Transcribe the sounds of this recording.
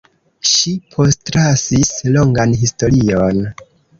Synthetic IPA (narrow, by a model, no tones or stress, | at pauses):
ʃipʰo̞stɾasisloŋɡanɦisto̞ɾion